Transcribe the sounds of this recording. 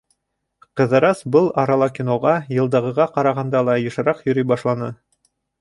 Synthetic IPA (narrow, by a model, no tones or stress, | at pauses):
qɤ̆ðɤ̆ɾɑsbɤlˠɑɾɑlˠɑkʲinoʁɑjɤ̆lˠd̪ɤ̆ʁɤ̆ʁɑqɑɾɑʁɑnd̪ɑlˠɑjɤ̆ʃɤ̆ɾɑqjɵ̆ɾyjbɑʃlˠɑnɤ